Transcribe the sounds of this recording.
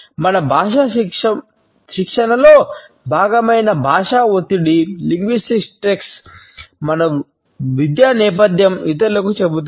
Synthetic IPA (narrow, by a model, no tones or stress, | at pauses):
mɐnɐbʱaːʂɐɐ | ʃikʂɐnɐlo̞ː | bʱaːɡɐmɐjnɐbʱaːʂaːot̪iɽiliŋɡʋisʈiksʈeks | mɐnɐ | ʋid̪jaːnɛːpɐd̪jɐmit̪̬ɐlɐkut͡ʃebut̪̬u